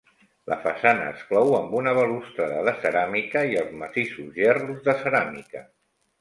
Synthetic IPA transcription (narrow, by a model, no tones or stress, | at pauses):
lʔə̰fəsanəəːksklɔwəmbunəβəlust̪ɾəðəðəsəɾamikəiəlˠzmət̪isuzjɛruzðəsəɾamikə